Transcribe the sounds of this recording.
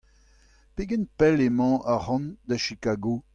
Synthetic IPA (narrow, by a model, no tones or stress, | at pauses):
peɡɛnpɛlemɑ̃ʔaʁɑ̃nd̪aʃikaːɡo